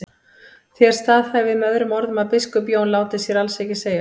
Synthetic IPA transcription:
θjɛɾ̥st̪aːðhɛvɪðmœðɾʏmɔɾðʏmaðpɪskʏpjoːwnlaːwt̪ɪsjɛɾalsɛcɪseːja

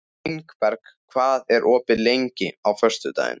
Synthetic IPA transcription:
iŋkpɛɾkkʰvaːðɛɾʔɔːpɪlejɲcɪawfœr̥st̪ʏt̪a̰ːjɪ̰n

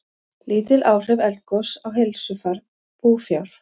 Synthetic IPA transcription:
lʔiːt̪ɪlʔaːwr̥ɪvɛlt̪̚kɔsawɦejlsʏfaɾ | puːfjawɾ̥

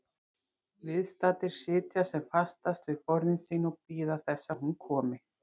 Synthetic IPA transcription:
vɪðst̪aːt̪ɪɾ̥sɪːt̪jasɛmfast̪ast̪vɪðpɔɾðɪnsinɔpiːðaθɛsːahunkʰɔːmɪ

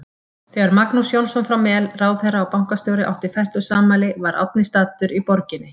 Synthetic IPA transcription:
θɛɣaɾmaknusjownsɔnfɾawmɛlraːwðθejrːaawpawŋ̥kast̪jowɾɪʔa̰wht̪ɪfajr̥t̪ʏ̥saːmaːlɪvaɾʔa̰t̪̚nɪst̪aːt̪ʏɾipɔɾcɪnːɪ

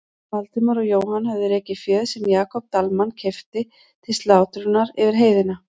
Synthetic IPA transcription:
malt̪ɪmʏɾɔɣjoːwhanhavðɪɾeːcɪfjœːðsɛmjaːkʰɔp̚t̪almancʰɛft̪ɪ | t̪ʰɪlst̪laːwt̪ɾʏnaɾɪvɪɾ̥ɦeːjðɪna

